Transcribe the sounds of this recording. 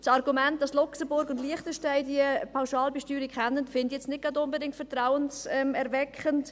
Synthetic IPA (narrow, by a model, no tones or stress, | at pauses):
sɑɾɡumɛnt̚d̥ɑslʊksəbʊɾɡʊndliəχtəʃtaɪdiəpʰaʊʃɑːlbɛʃtyːɾikχɛnːənfɪndijɛt͡snɪt̚ɡ̥ɑdʊnbədɪŋtfɛɾtɾaʊənsɛmɛɾvɛkχənt